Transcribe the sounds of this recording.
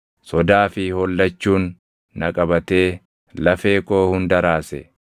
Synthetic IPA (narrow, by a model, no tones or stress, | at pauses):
sɔd̪aːfɪhɔlːɐt͡ʃːuːnː | ɐkʼɐbɐt̪e̞ː | lɐfe̞ːko̞ːhʊnd̪ɐɾaːsɛ̰